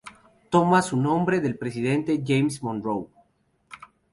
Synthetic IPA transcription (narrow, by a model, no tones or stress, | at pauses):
t̪omasunõ̞mbɾe̞ðe̞lpɾes̬iðe̞nt̪eʝejmsmõnrow